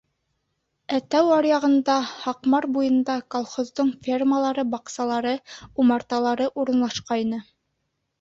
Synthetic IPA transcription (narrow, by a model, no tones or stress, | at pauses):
æt̪æwɑɾjɑʁɤ̆nd̪ɑhɑqmɑɾbujɤ̆nd̪ɑkolˠχozd̪oɴfʲerməlˠɑɾɤbɑqsɑlˠɑɾɤumɑɾt̪ɑlˠɑɾɤʔuɾɤ̆nlˠɑʃqɑjnɤ